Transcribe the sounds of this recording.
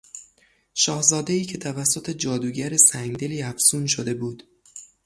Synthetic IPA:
ʃɒːhzɒːd̪eiːcʰe̞t̪ʰævæsːo̞t̪ʰe̞d͡ʒɒːd̪uːɟæɾesæŋɡd̪e̞liːæfsuːnʃod̪e̞buːd̪̥

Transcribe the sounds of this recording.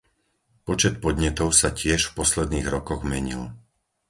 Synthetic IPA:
pɔt͡ʃɛt̪̚pɔd̪ɲɛt̪ɔʊsacɪɛʃfpɔslɛd̪niːɣɾɔkɔɣmɛɲḭl

